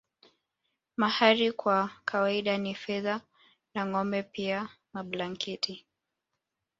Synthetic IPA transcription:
mahaɾikwakʰawaiɗanifɛða | naŋɔmbɛpia | maɓlaŋkɛtʰi

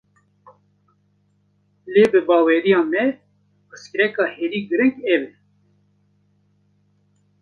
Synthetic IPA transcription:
leːbɨbɑːweːɾijɑːmɛ | əskɾɛkɑːheːɾiːɡɨɾɨŋkɛbɛ

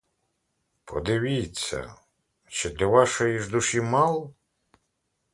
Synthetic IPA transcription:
pʰɔ̰d̪ɪʋʲit͡sʲːɐ̰ | t͡ʃɪd̪lʲɐʋɑʃɔjiʒd̪uʃimɑlˠɔ

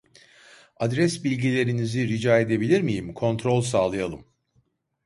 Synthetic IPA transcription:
ad̪ɾɛsbilʲɟilʲe̞ɾiniziɾid͡ʒaːe̞d̪e̞bilʲiɾmijimkʰo̞nt̪ʰɾo̞lˠʲsaːlˠɯjalˠɯm

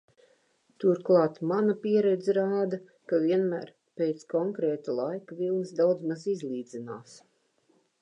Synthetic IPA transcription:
t̪uɾklˠɑːt̪manapiɛɾɛd̪zɾaːd̪a | kaviɛnmæ̰ːɾ | peːt̪skɔŋkɾɛːt̪alˠajkavilˠnsd̪awd̪zmazizlˠiːd̪zinaːs

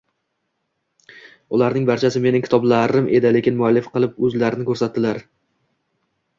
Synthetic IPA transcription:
ʊlaɾnɪŋbaɾt͡ʃʰasɪme̞nɪŋkʲʰɪ̥t̪ʰɒblaɾɪmʔe̞d̪ɪlekʲɪnmʊalːɪfqɨlˠɪpɵzlaɾɪnɪkʰɵɾsat̪ːɪlaɾ

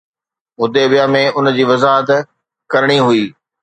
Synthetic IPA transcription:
ʊd̪ebijamẽʊn̆d͡ʑiːʋɐzaːɦət̪ | kɐɾɪɽ̃iɦʊiː

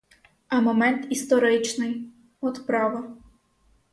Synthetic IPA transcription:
ɐmɔmɛnt̪ist̪ɔɾɨjt͡ʃnɨj | ɔt̪pɾavɐ

